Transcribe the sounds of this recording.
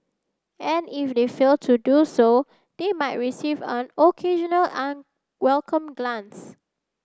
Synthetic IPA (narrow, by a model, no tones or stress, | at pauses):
ʔɛ̃nifdefeltʰuduso | d̥emaɪt̚ɹisivə̃nokʰeʒə̃nəlʔãn | wɛlkʰə̃mɡlãns